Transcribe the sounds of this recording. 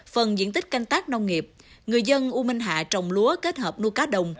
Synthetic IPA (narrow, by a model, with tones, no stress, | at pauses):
fə˨˩nzḭ˧˥ənt̪ï˦˥k̟̚ka˧jŋ̟t̪aː˦˥k̚na˧wŋ͡mŋi˨˩əp̚ | ŋɨ˨˩əjzə˧nʔu˧mi˧ŋ̟ɦa̰ː˧˨t͡ɕɔ˨˩wŋ͡mlu˨˦əke˦˥t̚həː˨˩p̚nu˧jkaː˨˦ɗə˨˩wŋ͡m